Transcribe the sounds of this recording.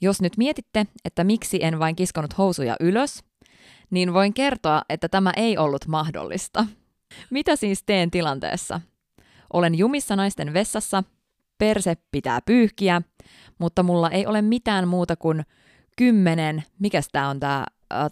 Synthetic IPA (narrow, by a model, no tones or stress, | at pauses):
jo̞snyt̪miet̪it̪ːee̞t̪ːæmiksiʔenʋɑiŋkiskonut̪ho̞wsujɑ̰ʔyløs | niːnʋo̞ijŋke̞rt̪oɑʔe̞t̪ːæt̪æmæʔe̞jʔo̞lːut̪mɑhdo̰lːḭst̪ɑ | mit̪æsiːst̪e̞ːnt̪ilɑnt̪ḛːsːɑ̰ | ʔo̞le̞njumisːɑnɑjst̪e̞nʋe̞sːɑsːɑ | pe̞rsepːit̪æ̰ːpyːhkiæ | mut̪ːɑmulːɑʔe̞jʔo̞le̞mmit̪æːnmuːt̪ɑkun | kymːenenmikæst̪æːo̞nt̪æ̰ː